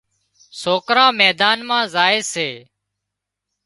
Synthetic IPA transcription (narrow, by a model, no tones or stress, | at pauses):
soːkɾãːmɛːd̪aːnmãːzaːeːseː